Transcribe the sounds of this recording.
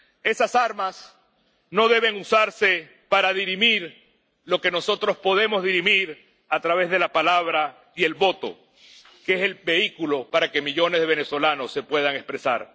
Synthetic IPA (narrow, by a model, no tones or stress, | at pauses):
e̞sasaɾmas | no̞ðe̞β̞e̞ŋusaɾse̞ | paɾaðiɾimiɾ | lo̞ke̞no̞so̞t̪ɾo̞spo̞ð̞e̞mo̞zðiɾimiɾ | at̪ɾaβe̞zðe̞lapalaβ̞ɾa | ie̞lβo̞t̪o̞̰ | keeselbe̞ikulo̞paɾake̞miʎo̞ne̞zðeβe̞ne̞swo̞lano̞sːe̞pwe̞ðaŋespɾe̞sa̰ɾ